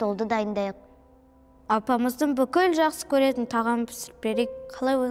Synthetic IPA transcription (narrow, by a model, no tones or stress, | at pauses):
t̪olˠd̪əd̪ɑjənd̪ɑjəq̚ | ɑpɑməzd̪əɴbʏkʲɪlʒɑqsə̥kʲʰɵɾe̞t̪ɪnt̪ʰɑʁɑmpʰɪ̥sɪɾɪp̚beɾekqʰɑlˠɑjwo